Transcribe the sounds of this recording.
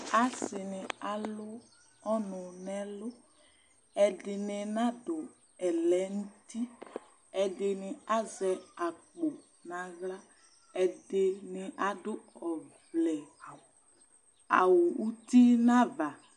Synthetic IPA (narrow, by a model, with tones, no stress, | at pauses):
a˦sɪ˨nɪ˨a˨lʊ˦ | ɔ˦nʊ˨nɛ˦lʊ˦ | ɛ˨dɪ˨nɪ˨nã˦dʊ˨ | ɛ˨lɛ˨˦n̩˦ti˦ | ɛ˨dɪ˨nɪ̃˨a˦zɛ˨a˨k͡po˨ | nã˨ɣla˦ | ɛ˨dɪ˨nɪ˨ʔa˨dʊ˦ɔ˨vlɛ˨a˨wʊ˨ | a̰˨wʊ˨u˦ti˦nã˦va˨